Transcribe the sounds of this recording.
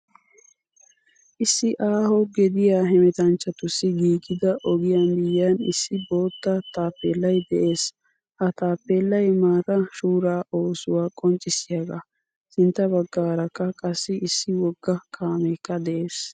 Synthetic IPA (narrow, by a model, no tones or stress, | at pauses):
ʔɪsːɪʔaːhɔɡɛd̪ɪjaːɦɛmɛt̪ɐnt͡ʃːɐt̪ʊsːɪɡiːkʼːɪd̪ɐʔɔɡɪjanbɪjːanɪ̰sːɪbo̞ːt̪ːɐt̪aːpːeːlːɐjd̪ɛʔe̞ːs | ʔɐt̪aːpːeːlːɐjmaːt̪ɐʃuːɾaːʔoːsʊwaːkʼɔnt͡ʃʼːɪsɪjɐɡɐ | sɪnt̪ːɐbɐɡːaːɾɐkːɐkʼɐsːɪɪsːɪwɔɡːɐkʰaːmɛkːɐd̪ɛʔeːs